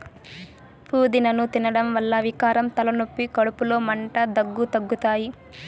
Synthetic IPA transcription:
pʰuːd̪inɐnut̪inɐɽɐmʋɐlːɐʋikaːɾɐmt̪ɐlɐnopːikɐɽupulo̞ːmɐɳʈɐd̪ɐɡːut̪ɐɡːut̪aːji

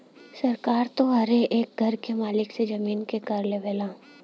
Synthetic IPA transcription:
sɐɾkaːɾt̪oɦɐɾeʔeːk̚ɡʱɐɾkemaːlɪksed͡ʒɐmiːnkekɐɾleʋeːlãː

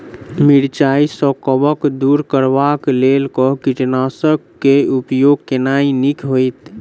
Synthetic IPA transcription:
miɽt͡ʃaisɔkəbəkd̪uɾkəɾʋaklelkɔkiʈnasək | keupjoɡkenainikɦoit̪

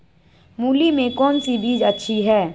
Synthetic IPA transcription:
muːlimẽkɔːnsibiːd͡ʒətːʃʰiɦɛː

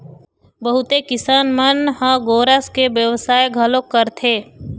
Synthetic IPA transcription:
bəɦʊt̪ekɪsaːnmənɦə̃ɡoːɾəskebjəʋsaːjɡʱəlokːəɾt̪ʰeː

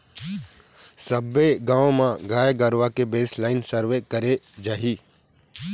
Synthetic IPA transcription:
səbeɡãːõmãɡaːeɡəɾʋakebeːslaːɪnsəɾʋekɐɾed͡ʒaːɦiː

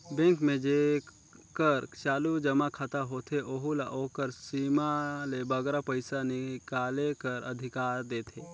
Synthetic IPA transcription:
bẽŋkmẽd͡ʒe | kəɾt͡ʃaːlud͡ʒəmakʰət̪aɦoːt̪ʰeʔoɦula̰ʔoːkəɾsiːmalebəɡɾapəɪsanɪkaːlekəɾə̰d̪ʱɪkaːɾd̪eːt̪ʰeː

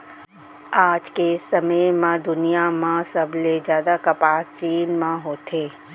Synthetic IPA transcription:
aːd͡ʒkesɐməjmãd̪ʊnijamãsɐbʱled͡ʒjaːd̪akɐpaːst͡ʃiːnmãɦoːt̪ʰeː

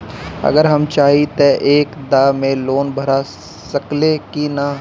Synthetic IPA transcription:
ɐ̰ɡəɾɦɐmt͡ʃaːɦit̪eʔeːkd̪aːmẽloːnbʱɐɾa | sɐklekina

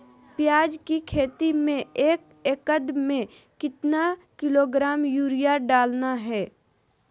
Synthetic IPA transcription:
pjaːd͡ʒkikʰeːt̪imẽeːk | eːkəd̪mẽ | kɪt̪nakɪloːɡɾaːmjuːɾijaɖaːlnaɦɛː

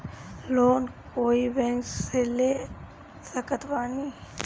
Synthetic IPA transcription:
loːnkoːibɛ̃ŋkseleː | səkət̪ʋaːni

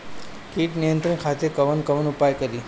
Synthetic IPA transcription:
kiʈnijənt̪ɾənkʰat̪ekəʋənkəʋənʊpajkəɾi

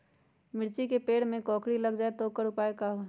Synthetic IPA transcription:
mɪɾt͡ʃikepeːɽmẽkɔ̃ːkɽiləɡd͡ʒaːet̪oːkəɾʊpaːekaɦo

